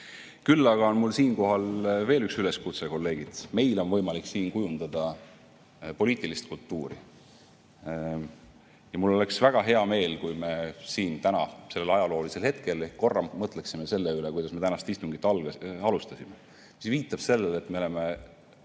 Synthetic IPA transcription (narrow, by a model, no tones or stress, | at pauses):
kylːɑɡ̥ɑo̞nmulsiːnko̞ɦɑlve̞ːlyksyle̞skut̪seko̞lːe̞ːɡ̥id̪̥me̞jlo̞nvɤ̞jmɑliksiːnkujund̪̥ɑd̪̥ɑ | po̞liːt̪ːˑilist̪̚kult̪ːˑuːɾḭ | jɑmulːo̞le̞ksvæɡ̥ɑɦe̞ɑme̞ːlkujme̞siːnt̪ænɑse̞lːelɑjɑlo̞ːliselhe̞t̪ke̞lekko̞rːɑmːɤt̪ˑle̞ksime̞se̞lːeylekujd̪ɑsme̞t̪ænɑst̪ist̪uŋɡ̥it̪ːˑɑlɡɑlust̪ɑsime | misviːt̪ːˑɑb̥se̞lːele̞t̪ːme̞ole̞me̞